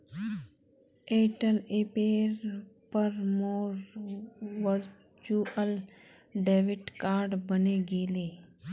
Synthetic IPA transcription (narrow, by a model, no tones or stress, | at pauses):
eːʈəleːpeːɾpəɾmoːɾ | ʋəɾ | t͡ʃuʔəl | ɖeːʋɪʈkaːɾɖbəneɡeːleː